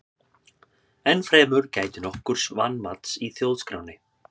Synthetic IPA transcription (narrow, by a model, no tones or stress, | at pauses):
ɛnfɾɛːmʏɾcaːjt̪ɪnɔhkʏɾ̥svanːmat̪siθjowðskɾaːwnɪ